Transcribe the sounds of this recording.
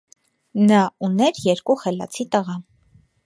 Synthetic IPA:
nɑunɛɾjɛɾkuχɛlɑ̰t͡sʰit̪əʁɑ

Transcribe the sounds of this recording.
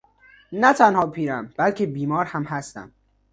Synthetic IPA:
næt̪ʰænhɒːpʰiːɾæmbælcʰebiːmɒːɾhæmhæst̪æ̰m

